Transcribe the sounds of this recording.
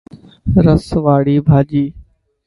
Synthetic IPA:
ɾəsʋaːɽiːbʱaːd͡ʒiː

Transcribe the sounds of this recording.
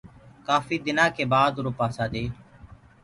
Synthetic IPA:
kaːfiːd̪ɪnãːkeːbaːd̪ɾoːpaːsaːd̪eː

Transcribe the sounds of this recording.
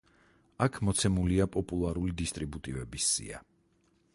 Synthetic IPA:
akʰmɔt̪sʰɛmuliapʼɔpʼulˠaɾulid̪ist̪ʼɾibut̪ʼivɛbisːḭa̰

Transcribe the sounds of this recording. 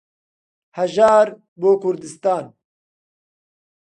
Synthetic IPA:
hɐʒaːɾ | boːkʰʊɾd̪ɨst̪aːn

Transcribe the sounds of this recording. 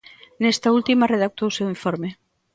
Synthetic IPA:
nest̪ɐult̪imɐreðak̚t̪owsewiɱfoɾme

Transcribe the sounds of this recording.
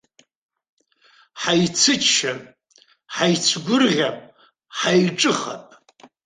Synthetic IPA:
ħajt͡sʰɨt͡ʃʃa | ħajt͡sʷʰɡʷʊrʁʲapʼ | ħajʈ͡ʂʼɨχa̰pʼ

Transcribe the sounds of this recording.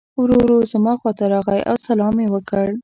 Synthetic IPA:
wɾoɾozəmɑxwɑt̪aɾɑɣajʔa̰wsalɑmewəkəɽ

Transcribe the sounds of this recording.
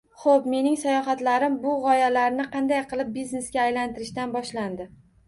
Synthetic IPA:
χopme̞nɪŋsajɒχat̪laɾɪmbʊʁɒjalaɾnɪqʰɑnd̪ajqʰɨlˠɪp̚bizne̞sɡʲaːjlant̪ɪɾɪʃt̪anbɒʃland̪ɪ

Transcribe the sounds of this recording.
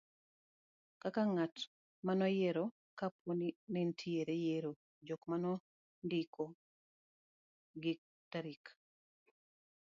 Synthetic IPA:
kakaŋat | manɔjeɾɔ | kapwonimentʰieɾejeɾo | d͡ʒokmanɔ | ndikʰo | ɡɪk̚ | taɾik

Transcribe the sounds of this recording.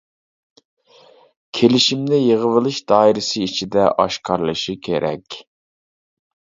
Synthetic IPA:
kʲʰelɪʃimnɪjeʁəvɨlˠɨʃd̪ɑːiɾɪsɨit͡ʃʰid̪ɛʔɑʃqʰɑɾlˠɨʃikʲʰḛɾʔɛ̰kʲ

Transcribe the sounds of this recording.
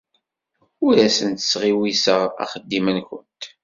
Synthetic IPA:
ʊɾæsənt̪ə̥sʁiwisəʁæ̰χəd̪ːimənkʷʊnt̪

